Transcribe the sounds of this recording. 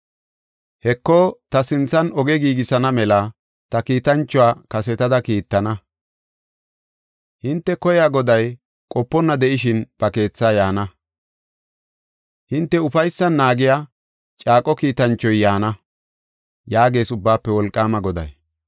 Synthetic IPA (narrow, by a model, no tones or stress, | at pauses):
hɛkːoːt̪ɐsɪnt͡sːɐnɔɡɛɡiːɡɪsɐnɐmɛlɐ | t̪ɐkiːt̪ɐnt͡ʃːɔaːkɐsɛt̪ɐd̪ɐkiːt̪ːɐnɐ | hɪnt̪ːɛkɔjaːɡɔd̪ɐj | kʼɔpːɔnːɐd̪ɛʔɪʃɪnb̥ɐke̞ːt͡sːaːjaːnɐ | hɪnt̪ːɛʊfɐjsːɐnːaːɡɪjaː | t͡ʃʼaːkʼːɔkiːt̪ɐnt͡ʃːɔjːaːnɐ | jaːɡe̞ːsʊbːaːpːɛwɔlkʼːaːmɐɡɔd̪ɐ̰j